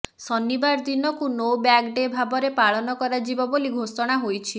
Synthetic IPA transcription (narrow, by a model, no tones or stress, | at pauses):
sɔnːibaɾd̪inɔkunobakɖebʱabɔɾepaɭɔnɔkɔɾad͡ʒibɔboliɡʱosɔɽ̃aɦojt͡ʃʰi